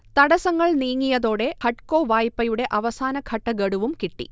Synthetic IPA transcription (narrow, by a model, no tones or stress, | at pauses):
t̪ɐɽɐsɐŋːɐɭniːŋːijɐðo̞ːɽe̞hɐʈ̚ko̞ːʋaːjpːɐjuɽe̞ʔɐʋɐsaːnɐkʰɐʈːɐɡɐɽuʋumkiʈːḭ